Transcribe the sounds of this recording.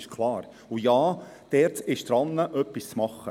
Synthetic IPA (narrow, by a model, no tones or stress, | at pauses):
ʃkʰlˠɑːɾ | ujɑː | d̥ɛːɾtɪʃd̪̥ɾɑnːəʔœpːist͡smɑχːə